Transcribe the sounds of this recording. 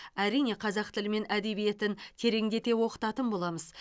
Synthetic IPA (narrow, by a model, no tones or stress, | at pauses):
æɾijne̞qʰɑzɑq̚t̪ʰɪlɪme̞næd̪e̞bije̞t̪ɪnt̪ʰe̞ɾe̞ŋd̪e̞t̪e̞wo̞qə̥t̪ɑt̪ənbolˠɑməz